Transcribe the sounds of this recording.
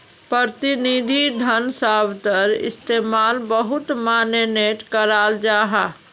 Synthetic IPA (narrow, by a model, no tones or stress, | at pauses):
pɾəɾt̪ɪnid̪ʱid̪ʱənsaːbt̪əɾɪ̰st̪eːmaːlbəɦʊt̪maːneneːʈkəɾaːld͡ʒaːɦaː